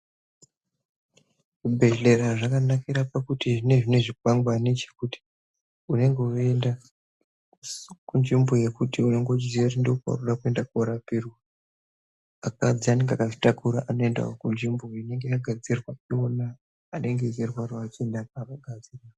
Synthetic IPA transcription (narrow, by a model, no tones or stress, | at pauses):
kubʱe̞ɬe̞ɾaʐakanakiɾapakutiʐine̞ʐine̞ʐikwaŋɡwanet͡ʃe̥kuti̥ | une̞ŋɡe̞oe̞nda | kund͡ʒimbo̞je̞kutiune̞ŋɡo̞t͡ʃiziatindoopa̰ruɗakue̞ndakoɾapirwa | akad͡ziane̞ŋɡakaʐi̥takuɾaʔano̞enda̰okund͡ʒimboine̞ŋɡe̞jaɡʱad͡zirwaionaː | neŋɡe̞zirwaroat͡ʃiendakakaɡʱad͡ziraa